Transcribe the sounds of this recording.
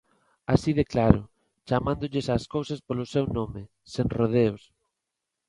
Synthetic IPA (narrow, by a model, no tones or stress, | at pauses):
asiðeklaɾʊ | t͡ʃamãnd̪ʊʎɪsaːskowsaspolʊsewnõmɪ | senroð̞eos